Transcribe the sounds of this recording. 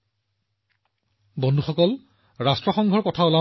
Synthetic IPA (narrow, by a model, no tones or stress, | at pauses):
bɔndʱuxɔkɔl | ɹastɹɔxɔŋɡʱɔɹkɔtʰaola